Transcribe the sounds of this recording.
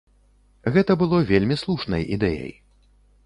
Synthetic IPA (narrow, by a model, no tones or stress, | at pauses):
ɣɛt̪ɐbɨlˠɔvʲelʲmʲislˠuʂnɐjʔḭd̪ɛjɐ̰j